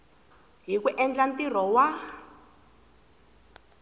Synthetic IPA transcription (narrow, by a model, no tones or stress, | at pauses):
ɦikuʔɛnd͡ɮant̪ir̤ɔwa